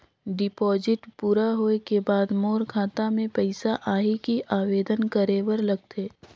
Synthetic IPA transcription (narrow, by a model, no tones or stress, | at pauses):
ɖɪpɔːzɪʈpuːɾaɦoekebaːd̪moːɾkʰaːt̪amẽpɛɪsaʔaːɦikiʔaːweːd̪ənkəɾeːwəɾlɐɡ̚t̪ʰeː